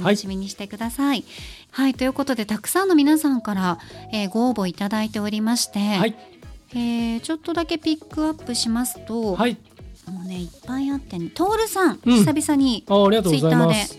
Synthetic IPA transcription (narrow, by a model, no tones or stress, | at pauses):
t̪anɕimʲiɲ̟iɕi̥t̪e̞kɯ̟d̪asai | hait̪o̞jɯ̟ko̞t̪o̞d̪e̞t̪akɯ̟̥sãnːo̞mʲinasãŋkaɾae̞ːɡo̞ːbo̞it̪ad̪ait̪e̞o̞ɾʲimaɕi̥t̪e̞aieːt͡ɕo̞t̪ːo̞d̪ake̞pʲikːɯ̟apːɯ̟ɕimasɨ̥t̪o̞ai | moːne̞ipːãĩat̪ːenet̪o̞ːɾɯ̟sãŋisabʲisaɲ̟iaaɾiɡat̪oɨiozaiamd̪e̞